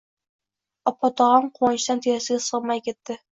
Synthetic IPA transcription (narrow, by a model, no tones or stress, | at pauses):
ɒpɑt̪ɑʁɑɴquɑnɕt̪ɑnt̪ijæsɘ̆ɡæsɤʁmɑjkĭt̪ːɘ